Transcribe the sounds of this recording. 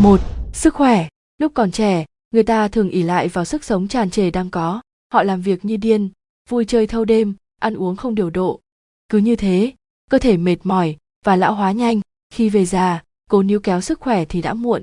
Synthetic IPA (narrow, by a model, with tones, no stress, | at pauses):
mo˨˩t̚sɨ˦˥k̚xwɛ˧˩ | lʊ˦˥k͡p̚kɔ˨˩nt͡ɕɛ˧˩ | ŋɨ˨˩əjt̪aː˧t̪ʰɨ˨˩əŋʔi˧˩la̰ː˧˨jvaː˨˩wsɨ˦˥k̚sə˨˦wŋ͡mt͡ɕaː˨˩nt͡ɕe˧˩ɗaː˧ŋkɔ˨˦ | hɔ̰˧˨laː˨˩mvi˨˩ək̚ɲɨ˧ɗi˧ən | vu˧jt͡ɕəː˧jt̪ʰə˧wɗe˧m | ʔa˧nʔu˨˦əŋxə˧wŋ͡mɗi˨˩əwɗo̰˧˨ | kɨ˨˦ɲɨ˧t̪ʰe˨˦ | kəː˧t̪ʰe˧˩me˨˩t̚mɔ˧˩j | vaː˨˩la̰ː˧˥wɦwaː˨˦ɲa˧jŋ̟ | xi˧ve˨˩zaː˨˩ | ko˨˦ni˨˦wkɛ˨˦wsɨ˦˥k̚xwɛ˧˩t̪ʰi˨˩ɗa̰ː˧˥mṵ˧˨ən